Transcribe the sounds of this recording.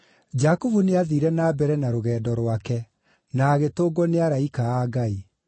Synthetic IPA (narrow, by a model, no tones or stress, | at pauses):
d͡ʑakuvuneaðiɾɛnaːbɛɾɛnaɾoɣɛːdɔɾwakɛ | naːɣetoːɡɔneaɾaikaaːɡai